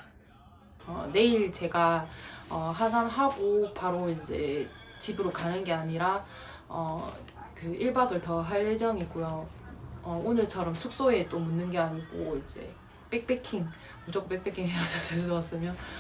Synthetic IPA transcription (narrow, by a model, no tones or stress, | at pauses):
ʌne̞iɭt͡ɕe̞ɡaʌɦananɦaɡopaɾoind͡ʑe̞t͡ɕibɯɾokanɯnɡe̞aɲiɾa | ʌ | kɯiɭbaɡɯɭtʌɦaɭːed͡ʑʌŋik͈ojo | ʌonɯɭt͡ɕʰʌɾʌmsʰuk̚s͈oe̞t͈omunːɯnɡe̞anip͈oid͡ʑḛ | p͈ek̚p͈e̞kʰiŋ | mud͡ʑok͈ʰːop͈e̞k̚p͈e̞kʰiŋɦead͡ʑʰʌt͡ɕesʰunʌʌs͈ɯmjʌ